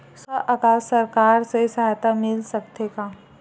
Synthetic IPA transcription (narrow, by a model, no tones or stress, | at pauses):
səʔakaːsːɐɾkaːɾsesɐɦajt̪amɪlsɐk̚t̪ekaː